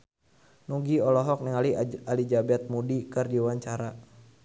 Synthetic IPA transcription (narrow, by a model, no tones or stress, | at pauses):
nuɡiɔlɔɦɔk̚niŋalialid͡ʒabɛt̪̚mudikɨrdiwaɲt͡ʃaɾa